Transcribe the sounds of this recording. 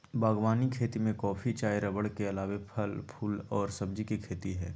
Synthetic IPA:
baːɡwaːnikʰeːt̪imẽkɔːpʰit͡ʃaːjɾəbəɽkeɐlaːʋepʰɐlpʰuːlɔːɾsɐbd͡ʒikikʰeːt̪iɦɛː

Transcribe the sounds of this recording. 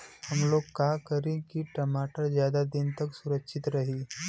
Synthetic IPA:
həmlokːakəɾĩkiʈəmaʈəɾd͡ʑjad̪ad̪int̪əksuɾəkʃit̪ɾəɦiː

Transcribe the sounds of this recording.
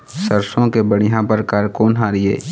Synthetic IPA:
səɾsõkebəɽijãpəɾkaːɾkoːnɦaɾɪḛː

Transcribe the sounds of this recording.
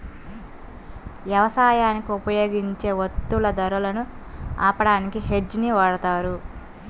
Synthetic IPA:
ʋjɐʋɐsaːjaːnikiupɐjo̞ːɡiɲt͡ʃe̞ːʋot̪ːulɐd̪ɐɾulɐnu | aːpɐɽaːnikiɦe̞d͡ʒniʋaːɽɐt̪aːɾu

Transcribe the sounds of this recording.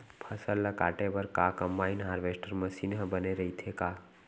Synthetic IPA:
pʰəsəlːəkaːʈebəɾkakəmbaːinɦaːɾʋesʈəɾməsinɦəbəneɾəɦit̪ʰeka

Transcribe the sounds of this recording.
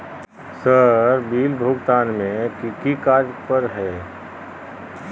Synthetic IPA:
səɾbiːlbʱʊːɡt̪aːnmẽkikikaːɾpəɾɦɛː

